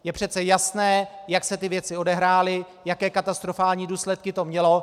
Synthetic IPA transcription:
jɛpr̝̥ɛt̪t͡sɛjasnɛːjaksɛt̪ɪvjɛt͡sɪo̞dɛɦɾaːlɪ | jakɛːkat̪ast̪ɾo̞faːlɲiːduːslɛt̪kɪt̪o̞mɲɛlo̞

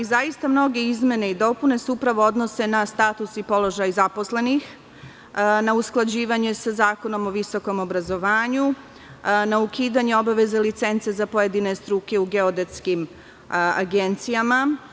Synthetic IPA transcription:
izajist̪amno̞ɡe̞izme̞ne̞id̪o̞pune̞suupɾaʋo̞o̞d̪no̞se̞nast̪aːt̪usipo̞lo̞ʒajzapo̞sle̞nix | nausklˠad͡ʑiːʋaɲe̞sazaːko̞no̞mo̞ʋiso̞ko̞mo̞bɾazo̞ʋaːɲu | naukiːd̪aɲeo̞baʋe̞zelit̪se̞nt̪sezapo̞je̞d̪ine̞st̪ɾuke̞uɡeod̪et̪skim | a̰ɡe̞nt̪sijama

